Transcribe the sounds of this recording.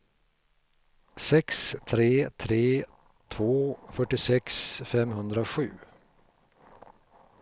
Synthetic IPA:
sɛkst̪ʰɾeːt̪ʰɾeː | t̪ʰvoːfœʈːɪsɛksfɛmɦɵnd̪ɾaoɧʉ̟ː

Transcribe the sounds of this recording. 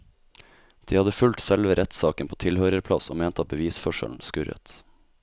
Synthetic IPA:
d̪̥iːhɑd̪əfʉlt̪sɛlʋəɾʔɛt̪sɑːkənpʰoːt̪ʰɪlhøːɾəɾpʰlɑso̰ːmeːnt̪ɑːbəʋiːsfɔʃə̰ln̩skʉɾə̰t̪

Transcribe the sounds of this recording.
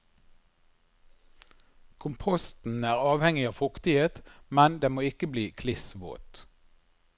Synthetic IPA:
kʰʊmpʰɔst̪n̩æːʁɑːʋhɛŋɪɑːʋfʊkt̪ɪheːt̪mɛnd̪eːmoːɪkəbliːkʰlɪsʋo̰ːt̪

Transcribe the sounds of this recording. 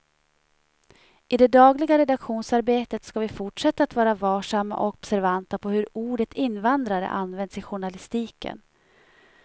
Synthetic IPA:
ʔɪd̪ɛd̪ɑːɡlɪɡaɾɛd̪akɧuːnsaɾbeːt̪ət̪skavɪfʊʈʂɛt̪ːaːt̪vɑːɾavɑːʂamːa̰ʔɔkɔb̥sæɾvant̪apʰɔhɵɾuːɖət̪ʰɪnːvand̪ɾaɾə̰ʔanvɛnd̪sɪɧʊɳalɪst̪iːkə̰n

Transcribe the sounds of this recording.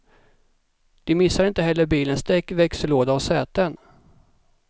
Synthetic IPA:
d̪̥ɪmɪsːaɾɪnt̪əɦɛlːəɾbiːlənst̪ɛkːvɛksəloːd̪aɔsɛːt̪ən

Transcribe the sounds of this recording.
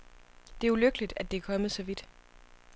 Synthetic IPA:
d̥e̝æuløɡ̥əlid̥æd̥e̝ækʰɒ̽mð̩ˠsɒ̽ʋid̥

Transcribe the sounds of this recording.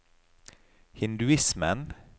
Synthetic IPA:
hɪnd̪ʉɪsmə̰n

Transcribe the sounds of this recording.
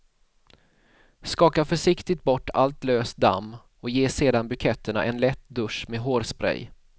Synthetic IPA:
skɑːkafœʂɪkt̪ɪt̪̚bɔʈːa̰lt̪løːst̪̚d̪a̰mː | ɔkjeːseːd̪anbɵkʰɛt̪ːəɳa̰ʔɛnlɛt̪d̪ɵʂmeːɦoːɾspɾɛ̰j

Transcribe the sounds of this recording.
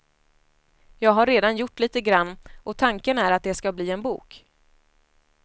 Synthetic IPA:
jɑːɡɦaɾːeːd̪anjʊʈːliːt̪əɡɾanːʔɔt̪ʰaŋkənæɾat̪̚d̪ɛskabliːɛnbṵːk

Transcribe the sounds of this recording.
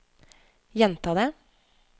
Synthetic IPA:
jɛnt̪ʰɑːd̪ə

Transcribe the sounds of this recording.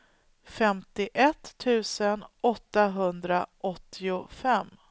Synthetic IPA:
fɛmt̪ɪʔɛt̪ʰːʉ̟ːsənɔt̪ːaɦɵnd̪ɾaʔɔt̪ʰːɪʊfɛm

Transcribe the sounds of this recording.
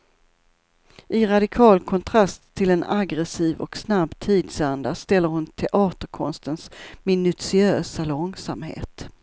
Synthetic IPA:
ʔɪɾad̪ɪkʰɑːlkʰɔnt̪ʰɾast̪ʰːɪlɛnaɡɾɛsiːvɔ̰ksnabt̪ʰiːd̪sand̪ast̪ɛlːəɾhʊnt̪ʰɛʔɑːt̪əɾkʰɔ̰nst̪ənsmɪnɵsɪøːsalɔŋsamhḛːt̪

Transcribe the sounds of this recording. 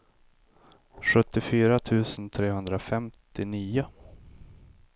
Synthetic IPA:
ɧɵt̪ːɪfyːɾat̪ʰʉ̟ːsənt̪ʰɾeːhɵnd̪ɾafɛmt̪ɪniːʊ

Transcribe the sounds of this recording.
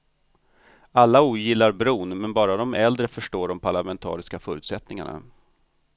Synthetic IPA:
alːauːjɪlːaɾbɾuːnmɛnbɑːɾad̪ɔmʔɛld̪ɾəfœʂʈoːɖɔmpʰaɭamɛnt̪ʰɑ̰ːɾɪskafœːɾʉːt̪sɛt̪nɪŋa̰ɳa̰

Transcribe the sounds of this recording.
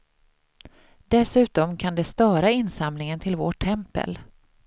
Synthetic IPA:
d̪ɛsʉ̟ːt̪ɔmkʰand̪ɛst̪ɑːɾaɪnsamnɪŋənt̪ʰɪlvo̰ʈʰːɛmpə̰l

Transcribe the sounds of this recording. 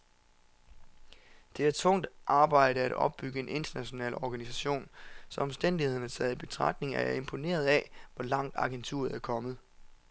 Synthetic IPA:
d̥e̝æɐt͡sʰɔ̽ŋ̰d̥ʔɑ̈ːb̥ɑ̈ɪ̰ɾ̥əæɾ̥ɒ̽b̥̚ːyɡ̥əe̝ne̝nd̥ɐnæɕo̝nɛ̰ːlɒɡ̥ænisæɕo̝̰ːnsɒ̽ɒ̽msd̥en̰d̥ihe̝ð̞̰ˠnæɐsʰɛð̩ˠib̥e̝t͡sʰʁɑ̈ɡ̥̚ne̝ŋæɐæe̝mpʰo̝ne̝̰ːɐð̞ˠɛʋɒ̽lɑ̈ŋ̰d̥ɑ̈ɡ̥ent͡sʰṵɐð̩ˠæɐkʰɒ̽mð̞̩ˠ

